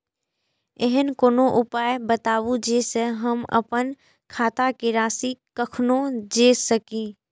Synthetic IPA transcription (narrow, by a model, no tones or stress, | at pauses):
eɦənkoːnoʔʊpaːjbət̪aːwud͡ʒeːsəɦəmə̰pən | kʰaːt̪akeɾaːsikəkʰnõd͡ʒeːsəkĩː